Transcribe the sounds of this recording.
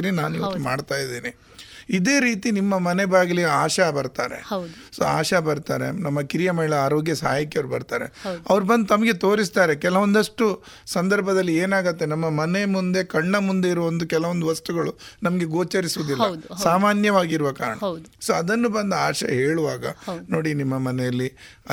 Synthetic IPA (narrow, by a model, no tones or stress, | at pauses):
ɾinaːnikemaːɖt̪aːjid̪eːni | id̪e̞ːɾiːt̪inimːɐmɐnebaːɡɐliaːʃabɐɾt̪aːɾe̞̰d | so̰ːa̰ːʃabɐɾt̪aːɾe̞̰nɐmːɐkiɾijɐmɐɦiɭɐaːɾo̞ːɡjɐsa̰ːjɐkjɐʋɐɾubɐ̰ɾt̪aːɾḛɐʋɐɾubɐnd̪t̪ɐmɐɡe̞t̪o̞ːɾis̬t̪aːɾe̞kɛlɐʋond̪ɐʂʈu | sɐnd̪ɐɾbʱɐd̪ɐlːieːnaːɡɐt̪ːenɐmːɐmɐne̞mund̪e̞kɐɳːɐmund̪e̞iɾɐʋond̪ukɛlɐʋond̪uʋɐst̪uɡɐɭunɐmɐɡe̞ɡoːt͡ʃɐɾisuʋud̪ilːɐd̪saːmaːnjɐʋaːɡiɾuʋɐka̰ːɾɐɳɐsoːɐd̪ɐnːubɐnd̪aːʃɐ̰ɦeːɭuʋaːɡɐ̰noːɽinimːɐmɐnɛjɐlːiɐ